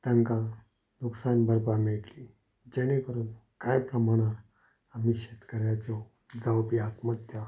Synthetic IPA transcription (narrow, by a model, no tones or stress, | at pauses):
t̪jaŋka | nuksanbəɾbameɭʈli | d͡ʑeɽ̃ekəɾuːnkajpɾəmaɽ̃aɾ | amiɕet̪kəɾjat͡ɕɔ | d͡zawpiat̪mət̪ja